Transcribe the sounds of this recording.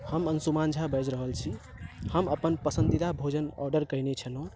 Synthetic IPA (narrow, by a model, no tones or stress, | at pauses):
həmənsumand͡ʒʱabəd͡ʒɾəɦəlt͡ʃʰi | həməpənpəsənd̪id̪abʱod͡ʒənɔ̰ɾɖəɾkəjnet͡ʃʰənõ